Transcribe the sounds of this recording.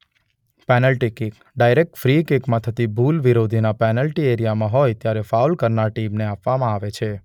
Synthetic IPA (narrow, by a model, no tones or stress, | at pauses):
pɛnəlʈikik | ɖajɾek̚ʈfɾikekmãt̪ʰət̪ibʱulʋiɾod̪ʱinapɛnəlʈieɾijamãɦojt̪jaɾefawlkəɾnaɾʈimneapʋamãaʋet͡ʃʰe